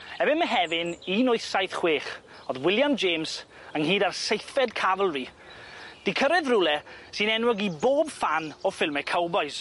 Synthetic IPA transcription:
ɛbɪnməɦɛvɪninoɨsajθχweːχ | ɔðwɪlˠjand͡ʒeːms | əŋɦiːdarsejθɛdkʰavəlˠri | d̥ɪkʰəɾɛðrʊlˠɛsɪnɛnwʊɡiboːbfanɔfɪlˠmɛkʰawbɔjs

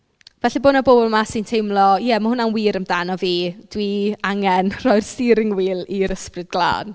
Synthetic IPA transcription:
vɛɬiboːnɔbobʊlˠmasintʰejmlˠɔjɛmahʊnanwiːɾəmdanɔviːd̥wiaŋɛnr̥ɔjrsɪɾɪŋwiːlˠiɾəsprɨd̚ɡlˠa̰ːn

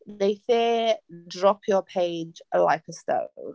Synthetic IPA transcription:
nejθɛdɹɔpʰjəpʰeɪd͡ʒla̰ɪkʰəstə̰

